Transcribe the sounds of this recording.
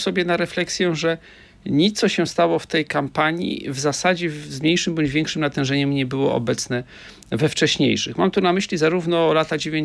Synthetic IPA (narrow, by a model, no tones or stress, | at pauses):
sɔbʲjɛnaɾɛflɛksʲjɛ̃ʐɛ | ɲit̪sɔɕɛst̪awɔft̪ɛjkampaɲḭvzasad͡ʑɛzmɲejʂɘmbɔɲd͡ʑvʲɛŋkʂɘmnat̪ɛ̃w̃ʐɛɲɛmɲɛbɘwɔ̰ɔ̰bɛt̪sn̪ɛ | vɛft͡ʂɛɕɲḛjʂɘ̰xmamt̪unamɘɕlʲizaɾuvn̪ɔlat̪ad͡ʑevʲjeɲ